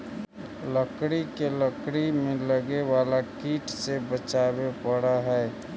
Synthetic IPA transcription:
ləkɽikeləkɽimẽləɡewaːlakiːʈsebət͡ʃaːwepəɽaɦɛː

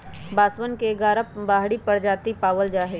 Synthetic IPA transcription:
baːsʋənkeɡaːɾəpbaːɦɽipəɾd͡ʒaːt̪ipaːʋəld͡ʒaːɦe

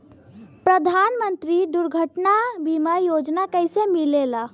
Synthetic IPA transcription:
pɾəd̪ʱanmənt̪ɾid̪uɾɡʱəʈnabiməjod͡ʒnakəjsemilela

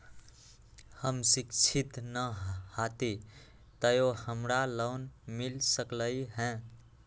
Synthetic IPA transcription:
həmsikt͡ʃʰit̪nəhat̪i | t̪əjohəmɾalownmilsəkləiɦɛ̃

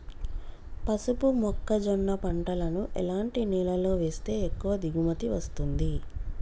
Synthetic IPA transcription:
pɐsupumɔkːɐd͡ʒɔɳːɐpɐɳʈɐlɐnuʔɛ̰laːɳʈinɛːlɐlo̞ːʋe̞ːst̪e̞ːekːuʋɐd̪iɡumɐt̪iʋɐst̪und̪i

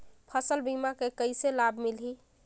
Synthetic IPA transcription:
pʰəsəlbimakekəjselabʱmilɦi

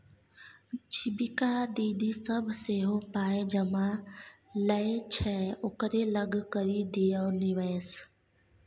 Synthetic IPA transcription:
t͡ʃʰɪbikaːd̪iːd̪iːsəbʱseːɦopaːed͡ʒəmã | ləet͡ʃʰɛːʊkɾeːləɡkəɾid̪ijəːnɪʋɛːs

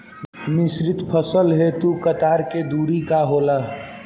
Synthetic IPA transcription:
mɪsɾɪt̪pʰəsəlɦet̪ukət̪aːɾked̪uːɾikaɦoːla

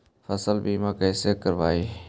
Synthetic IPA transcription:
fəsəlbiːmãːkɛːsekəɾʋaːiː

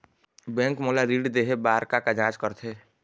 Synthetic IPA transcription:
bɛ̃ːŋkmoːlaɾiːɖd̪eɦebaːɾkakad͡ʒãːt͡ʃkəɾt̪ʰe

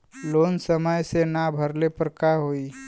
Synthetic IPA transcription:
loːnsəməjsenabʱəɾlepəɾkaɦoi

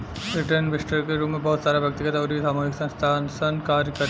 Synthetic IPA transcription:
bɾɪʈənʋɪʂʈəɾkeɾuːmːẽbɐɦʊt̪saːɾaʋjɐk̚t̪ɪɡət̪aɐoɾiksaːmoːɦɪksɐ̃nst̪ʰaːnsɐnkaːɾjəkəɾ

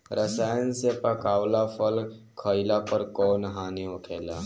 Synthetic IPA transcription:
ɾəsajənsepəkawlafəl | kʰəjilapəɾkɔnɦaniokʰela̰

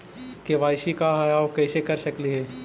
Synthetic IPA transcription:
keʋaːɪʃikaɦɐjaːʋkɐɪsekɐɾsɐkliɦɛː

